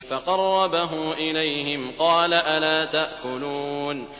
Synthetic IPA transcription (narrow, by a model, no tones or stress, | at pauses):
fɑqɑrˤːɑbaɦʊːʔɪlajɦɪmqɑːlaʔalaːt̪aʔkʊluːn